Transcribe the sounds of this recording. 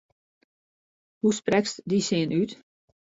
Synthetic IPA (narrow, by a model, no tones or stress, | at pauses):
husprɛkstdisɪənʔyt